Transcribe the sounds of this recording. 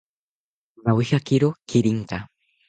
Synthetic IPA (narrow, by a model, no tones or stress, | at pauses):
nawihakiɾokiɾiŋka